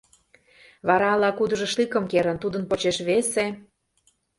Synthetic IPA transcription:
βɑɾɑlɑkud̪ɤ̆ʒĕʃlikə̆mkeɾə̆nt̪ud̪ə̆npot͡ɕeʃβese

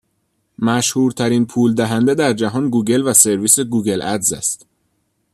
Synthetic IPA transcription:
mæʃhuːɾt̪ʰæɾiːnpʰuːld̪æɦænd̪ed̪æɾd͡ʒæɦɒːnɡuːɟe̞lvæse̞ɾviːse̞ɡuːɟe̞lʔæd̪zæ̰st̪

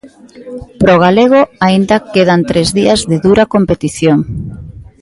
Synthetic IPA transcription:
pɾoɣ̞aleɣ̞oaind̪ɐkeð̞ant̪ɾezðiɐzðeðuɾakompet̪iθjoŋ

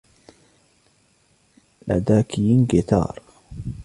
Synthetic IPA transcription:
la̰d̪aːkɪjnɡɪt̪ɑ̰ːɾˤ

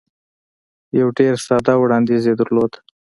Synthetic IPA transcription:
jawɖeɾsɑd̪ɑwɽɑnd̪ized̪əɾlod̪

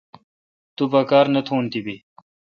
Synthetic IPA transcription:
t̪ubɐkaːɾnɐt̪ʰoːnt̪ibi

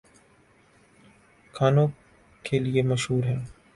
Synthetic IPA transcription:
kʰaːnõ | keliemɐʃɦuːɾɦɛ̃ː

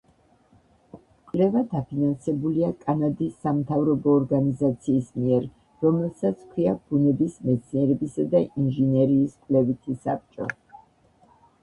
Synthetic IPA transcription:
kʼwlɛvad̪apʰinansɛbuliakʼanad̪isamt̪ʰavɾɔbɔːɾɡanizat̪sʰiːsmiɛɾ | ɾɔmɛlˠsat̪sʰkʰwiab̥unɛbismɛt̪sʰniɛɾɛbisad̪ainʒɛnɛɾiːskʼwlɛvit̪ʰisap̚t͡ʃʼɔ̰

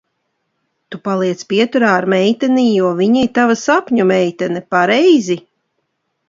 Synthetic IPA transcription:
t̪upalˠiɛt̪spʲiɛt̪uɾaːɾmɛjt̪ɛnijuɔviɲit̪avasapʲɲumɛjt̪ɛnɛpaɾɛjzi

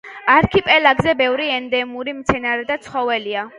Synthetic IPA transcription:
aɾkʰipʼɛlaɡzɛbɛvɾiɛnd̪ɛmuɾimt̪sʰɛnaɾɛd̪at̪sʰχɔvɛlia

